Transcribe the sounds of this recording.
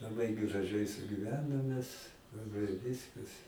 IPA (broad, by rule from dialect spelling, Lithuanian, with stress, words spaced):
lˠɐˈbɐɪ ɡrɐˈʒɐɪ sʊɡʲɪˈʋʲæːnoːm mʲɛs ʋʲɪ ˈʋʲɪskɐs